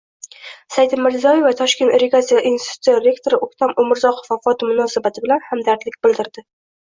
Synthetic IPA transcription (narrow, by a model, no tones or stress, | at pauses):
sajd̪ɪmmɪzɒivat̪ʰɒʃkʲe̞nt̪ɾeɡat̪sijaʔinsit̪ʰu̥t̪ijaɾʲe̞kt̪ʰoɾɪʔokt̪ʰamʊmɪɾzɒqʰofafɒt̪mʊnɒsabat̪ʰɪbɪlanhamd̪aɾt̪lɪkʲbɪld̪ɪɾd̪ɪ